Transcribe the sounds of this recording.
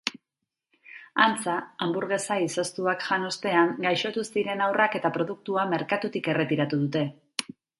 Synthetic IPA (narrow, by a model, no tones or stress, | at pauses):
ant͡saːmbuɾɣe̞saisost̪uakʝano̞st̪e̞aŋɡajʃo̞t̪usiɾe̞nawrake̞t̪apɾo̞ð̞uk̚t̪uame̞ɾkat̪ut̪ike̞re̞t̪iɾat̪uðut̪e̞